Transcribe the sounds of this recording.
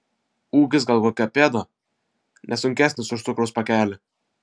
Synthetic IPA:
uːkʲɪsɡɐlˠkoːkʲɛpʲeːd̪o | nʲʔɛsʊŋʲkʲæːsʲnʲɪsʊʃt̪ʊkɾoʊspɐkʲæːlʲɪ

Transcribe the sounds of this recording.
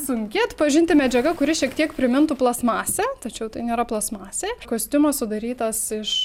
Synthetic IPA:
sʊŋʲkʲɪɐt̪pɐʒʲɪnʲt̪ʲɪmʲɛd͡ʒʲɛɡɐkʊɾʲɪʃʲiɛkt̪ʲiɛkpʲɾʲɪmʲɪnt̪ʊplˠɐsmɑːsʲɛt̪ɐt͡ʃʲɛʊt̪ɐɪnʲeːɾɐplˠɐsmɑːsʲeːkoːsʲt̪ʲʊmɐsʊd̪ɐɾʲiːt̪ɐsɪʃ

